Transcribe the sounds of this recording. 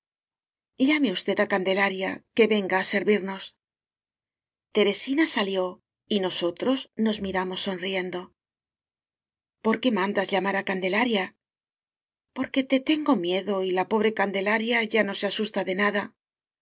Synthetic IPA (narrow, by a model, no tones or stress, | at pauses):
ʎame̞ust̪e̞ðakand̪e̞laɾja̰ke̞βe̞ŋɡaːse̞ɾβiɾno̞s | t̪e̞ɾe̞sinasaljo̞ | ino̞so̞t̪ɾo̞zno̞zmiɾamo̞sːo̞nrie̞nd̪o̞ | po̞ɾke̞mãnd̪azʎamaɾakand̪e̞laɾja | po̞ɾke̞t̪e̞t̪e̞ŋɡo̞mje̞ðo̞ilapo̞β̞ɾe̞kand̪e̞laɾjaʝano̞seasust̪aðe̞naða